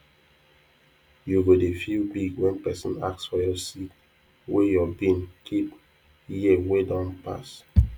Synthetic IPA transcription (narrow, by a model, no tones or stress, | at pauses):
juɡodefilbiɡwɛ̃npɛsɔ̃na̰ksfɔjɔsit | wejɔbĩnkʰip | jiwedɔ̃npa̰s